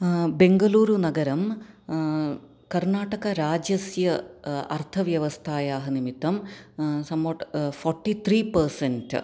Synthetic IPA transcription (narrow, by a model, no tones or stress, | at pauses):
be̞ŋɡɐluːɾunɐɡɐɾɐm | kɐrnaːʈɐɣɐɾaːd͡ʑɐsjɐɐrt̪ʰɐʋjɐʋɐst̪ʰaːjaːɦɐnimit̪ːɐmsɐmːoʈforʈːit̪ʰriːpɐɾsent